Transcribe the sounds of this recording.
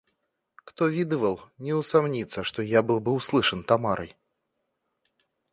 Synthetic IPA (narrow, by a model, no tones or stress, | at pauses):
kt̪ɔvʲid̪ɨvɐlˠnʲɛwsamnʲit̪sːɐʂt̪ɔjabɨlˠbɨwslˠɨʂɐnt̪amaɾʔɨ̰j